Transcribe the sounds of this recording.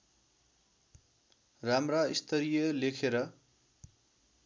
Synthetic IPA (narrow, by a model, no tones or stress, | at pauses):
ramraist̪ʌɾijʌlekʰeɾʌ